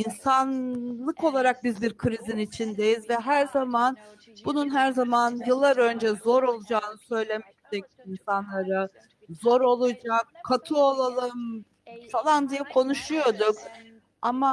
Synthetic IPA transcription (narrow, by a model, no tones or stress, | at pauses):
insanlˠɯko̞lˠaɾak̚bizbiɾkʰɯɾizinit͡ʃʰind̪e̞jizvɛɦæɾzaman | bununɦæɾzamanjɯlˠːaɾø̞nd͡ʒɛzo̞ɾo̞lˠud͡ʒaːnɯsø̞jlʲe̞mɛct̪ʰɛc̚ | insanlˠaɾa | zo̞ɾo̞lˠud͡ʒak̚kʰːat̪ʰɯolˠalˠɯm | falˠand̪ijɛkʰo̞nuʃujo̞d̪uk | ama